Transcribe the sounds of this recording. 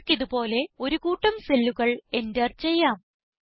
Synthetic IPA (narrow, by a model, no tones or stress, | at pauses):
kːiðupo̞ːle̞o̞ɾukuːʈːɐmse̞lːuɣɐɭe̞ndert͡ɕe̞jːaːm